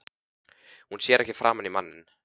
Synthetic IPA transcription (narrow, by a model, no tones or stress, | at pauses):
hunsjɛːɾɛhcɪfɾaːmʏnimanːɪn